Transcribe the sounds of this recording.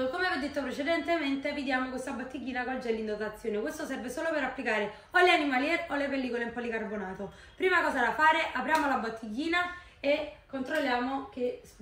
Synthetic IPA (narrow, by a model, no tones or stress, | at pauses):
komevɔd̪et̪ːopɾet͡ʃed̪ɛnt̪ement̪evid̪jaːmokwest̪abːot̪ːiɡːiːnakɔld͡ʒɛlːind̪ot̪at̪sːjoːnekwest̪osɛrvesoːlopeɾapːlikaːɾe | oleanimaljɛɾolepelːiːkolempɔlikarbonaːt̪o | pɾiːmakɔːzad̪afaːɾeʔapɾjaːmolabːot̪ʰːiɡiːna | ekːont̪ɾolːjaːmoke